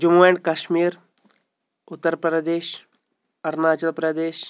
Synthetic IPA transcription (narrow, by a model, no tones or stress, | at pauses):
d͡ʒumueɳɖkaʃmiːɾ | ʊt̪ːəɾpɾɐd̪eːʃ | ɐɾnaːt͡ʃəlpɾɐd̪eːʃ